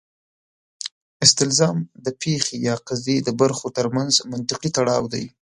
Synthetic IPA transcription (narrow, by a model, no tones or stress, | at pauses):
ɪst̪ɪlzɑmd̪əpʰexejɑqazed̪əbaɾxot̪əɾmanzmant̪ɪqit̪aɽɑwd̪aj